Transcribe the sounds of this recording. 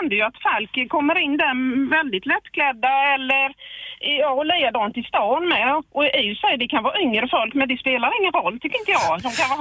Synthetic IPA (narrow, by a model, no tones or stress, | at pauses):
ɛnd̪əjɵat̪falkkʰːɔmːəɾɪnːd̪ɛvɛld̪ɪt̪lɛt̪ːkʰlɛd̪ːaɛlːəɾjɑːɔlɛjad̪ɑːnt̪ʰɪst̪ɑːnmɛʔɔæjsɛjəd̪ɛkʰanvɑːʏŋɾəfɔlkmɛnd̪ɛspeːlaɾɪŋːənɾɔlːt̪ʰʏkːɾɪnt̪əjɑːɡd̪ɔmkʰan